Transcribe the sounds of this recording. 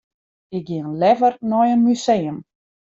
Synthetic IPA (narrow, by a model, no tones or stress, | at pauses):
ɪk̚ɡɪənlɛvərnɔjənmysejəm